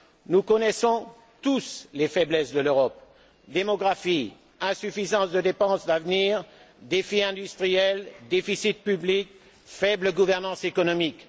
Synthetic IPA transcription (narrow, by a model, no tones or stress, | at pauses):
nukɔnɛsɔ̃ | t̪uslefɛblɛsd̪əløʁɔp | d̪emɔɡʁafi | ɛ̃syfizɑ̃sd̪əd̪epɑ̃sd̪avniːʁ | d̪efiɛ̃d̪yst̪χijɛld̪efisit̪̚pyblik | fɛbləɡuvɛʁnɑ̃sekɔnɔmik